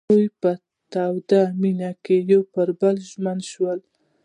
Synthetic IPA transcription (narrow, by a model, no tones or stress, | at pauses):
ujpə | t̪awd̪aminakejowpəɾbəlʒmənʃwəl